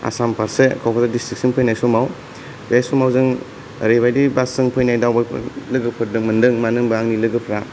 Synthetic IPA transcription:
a̰sampʰaɾsekʰɔpʰazadistɾiksɯnpʰɯjnajsɔmaw | besɔmawzɯŋ | ɾebajdibasɯŋpʰɯjnajdawba̰lɯɡɯpʰɯɾdɯŋmɯndɯŋmanɯŋbaaŋnilɯɡɯpʰɾa

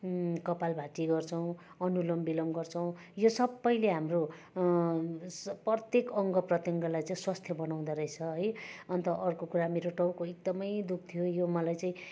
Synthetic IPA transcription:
kʌpalbʱaʈiɡʌrt͡sʰʌw̃ | ʌnulʌmbilʌmɡʌrt͡sʰʌw̃ | josʌbːʌjleɦamro | prʌt̪jekʌŋɡʌprʌt̪jʌŋɡʌlajt͡saĩswast̪ʰjʌbʌnaw̃d̪ʌɾʌjt͡sʰʌɦʌjʌnt̪ʌʔʌrkokuɾameɾoʈʌwkoek̚d̪ʌmʌjd̪uk̚ʰt̪ʰijojomʌlajt͡saĩ

